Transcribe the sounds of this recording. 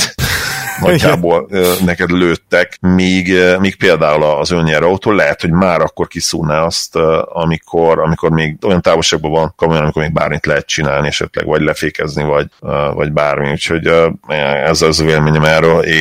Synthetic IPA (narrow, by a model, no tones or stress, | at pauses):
nɒɟːaːboːløːnɛkɛd̪løːt̪ːɛkmiːɡmiːk̚peːld̪aːulɒːzøɲːɛɾɒut̪oːlɛɦɛt̪ho̞ɟmaːɾɒkːo̞rkisṵːnaːɒst̪ɒmikʰo̞ɾɒmikormeːɡo̞jɒnt̪aːvo̞lʃaːɡ̚bovɒnkomojɔnɒmikomeːɡ̚ba̰ːrmit̪lɛɦɛt̪̚t͡ʃinaːlniɛʃɛ̰t̪lɛ̰ɡvɒɟlɛfeːkɛznivɒɟøvɒ̰ɟbaːrmḭucho̞ɟøɛɛzɛzveːlɛmeːɲɛmɛrøːleː